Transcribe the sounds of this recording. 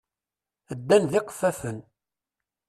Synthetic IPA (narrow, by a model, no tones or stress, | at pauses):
əd̪ːænðɪqə̥fæfən